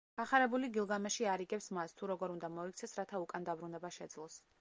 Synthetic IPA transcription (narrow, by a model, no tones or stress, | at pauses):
ɡ̥aχaɾɛbuliɡilˠɡamɛʃiaɾiɡɛpsmast̪ʰuɾɔɡɔɾund̪amɔikʰt̪sʰɛsɾat̪ʰaukʼand̪abɾunɛbaʃɛd̪zlˠɔs